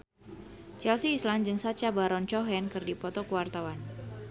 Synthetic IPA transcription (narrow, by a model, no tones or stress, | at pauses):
t͡ʃɛlsiːsland͡ʒɨŋsat͡ʃabaɾɔnt͡ʃɔɦɛnkɨrdipɔt̪ɔkuwart̪awan